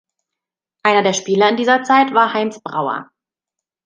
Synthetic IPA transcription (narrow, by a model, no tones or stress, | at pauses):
ʔaɪnɐdeːɐʃpiːlɐɪndiːzɐt͡saɪtv̥aːɐhaɪnsb̥ʁa̰ʊɐ̰